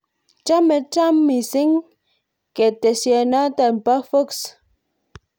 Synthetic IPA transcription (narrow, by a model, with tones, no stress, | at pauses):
t͡ʃa˦mɛ˨ta˦mːi˨si˦ŋ | kɛ˨te˨sjɛ˨na˦ta˨m̩˨pa˦fo˦ks